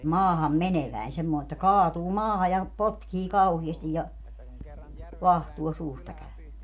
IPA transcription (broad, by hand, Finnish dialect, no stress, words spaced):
mɑːhɑmːeneʋæin semːoː etːæ kɑːtuː mɑːhɑ jɑ potkiː kɑuhiɛstij jɑ ʋɑhtuo suːstɑ kæø